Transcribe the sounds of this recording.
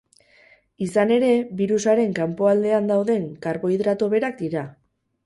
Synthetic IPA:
isane̞ɾe̞βiɾusaɾe̞ŋkampo̞ald̪e̞and̪awðe̞ŋkaɾβo̞iðɾat̪oβe̞ɾakd̪iɾa

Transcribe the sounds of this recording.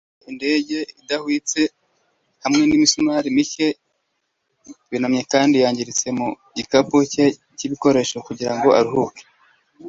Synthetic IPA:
inde̞ːɟe̞idahwit͡se̞ | hamŋe̞nimisumaɾimice | βinamɲe̞kaːndijaːɲɟiɾit͡se̞mu | ɟikapuce | ciβiko̞ɾe̞ʃokuɟiɾaŋɡo̞ʔa̰ɾiɦuke̥

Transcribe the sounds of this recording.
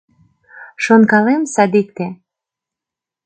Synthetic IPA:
ʃonkɑlemsɑd̪ik̚t̪e

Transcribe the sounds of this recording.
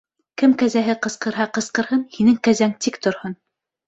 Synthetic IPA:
kɘmkæzæɦɘqɤ̆sqɤ̆ɾɦɑqɤ̆sqɤ̆ɾhɤnhinɘŋkæzæŋt̪ikt̪ŏɾhɤn

